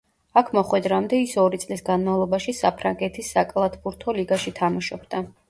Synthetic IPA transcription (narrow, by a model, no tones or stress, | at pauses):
akʰmɔχwɛd̪ɾamd̪ɛisɔɾit̪sʼlisɡanmavlˠɔbaʃisapʰɾaŋɡɛt̪ʰisːakʼlˠat̪ʰbuɾt̪ʰɔliɡaʃit̪ʰamaʃɔbd̪a